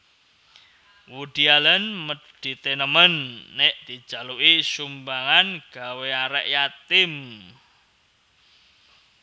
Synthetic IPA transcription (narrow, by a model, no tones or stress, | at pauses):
wuɖ̪̥ialənməɖ̥i̤t̪enəmənːeʔd̪̥i̤̥ʒ̥a̤luʔisumbaŋanɡ̥a̤weaɾɛ̰ʔjat̪ɪm